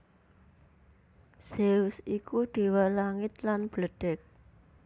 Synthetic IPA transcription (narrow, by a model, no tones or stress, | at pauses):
sewsikuɖ̥e̤walaŋɪt̪lanb̥ləɖ̥ɛk̚